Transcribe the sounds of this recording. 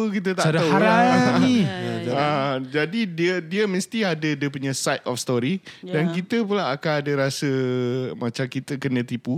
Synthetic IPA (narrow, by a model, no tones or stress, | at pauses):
əkit̪ət̪aʔdaaaɾaiad͡ʒadidiədiəməst̪iadədiəp̬uɲãsajt̪ɔfst̪ɔɾidankit̪əp̬ulaːkaadəɾasəmãt͡ʃamkit̪əkənə̃t̪ipu